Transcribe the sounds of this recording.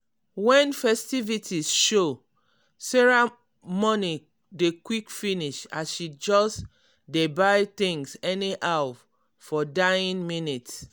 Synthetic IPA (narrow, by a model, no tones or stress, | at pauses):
wɛ̃nfɛstivitʰisʃo | sɛɹa | mɔni | dekwikfiniʃasʃid͡ʒɔs | debaɪt̪ĩŋsɛniʔaw | fɔdaĩnminits